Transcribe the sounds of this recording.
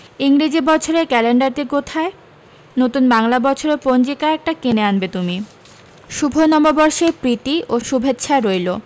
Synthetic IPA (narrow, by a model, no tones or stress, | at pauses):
iŋɾid͡ʑibɔt͡ɕʰoɾekɛleɳɖaɾt̪ikot̪ʰae | not̪unbaŋlabɔt͡ɕʰoɾeɾpond͡ʑikaɛk̚ʈakeneanbet̪umi | ʃubʱonɔmobɔɾʃepɾit̪iʔoʃubʱet̪ːʃʰaɾojlo